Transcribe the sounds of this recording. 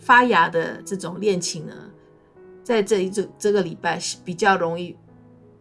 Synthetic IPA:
fa˥ja˧˥d̪ə̰˧ʈ͡ʂɤ˥˩ʈ͡ʂʊ˨˩ŋljɛ˥˩nt͡ɕʰi˧˥ŋnə̰˧ | t͡sa˥˧ɪʈ͡ʂɤ˥˧˥ʈ͡ʂɤ˥˩ɡə˩li˨˩pa˥˩ɪ˥pi˨˩t͡ɕjɑ˥˩ʊɻʊ˧˥ŋi˥˩

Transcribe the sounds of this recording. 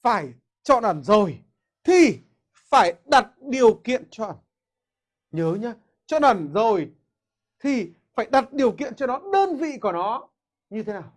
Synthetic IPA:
faː˧˩j | t͡ɕɔ̰˧˨nʔə˧˩nzo˨˩j | t̪ʰi˨˩ | faː˧˩jɗa˨˩t̚ɗi˨˩əwkḭ˧˨ənt͡ɕɔ˧ʔə˧˩n | ɲəː˨˦ɲaː˧˦ | t͡ɕɔ̰˧˨nʔə˧˩nzo˨˩j | t̪ʰi˨˩ | faː˧˩jɗa˨˩t̚ɗi˨˩əwkḭ˧˨ənt͡ɕɔ˧nɔ˨˦ɗəː˧nvḭ˧˨ku˧˩ənɔ˨˦ | ɲɨ˧e˨˦naː˨˩w

